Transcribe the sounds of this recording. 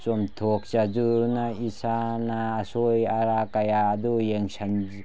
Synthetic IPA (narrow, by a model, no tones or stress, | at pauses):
t͡ʃomtʰok̚t͡ʃazuɾnaisanaːsojaɾakajaːd̪ujeŋsan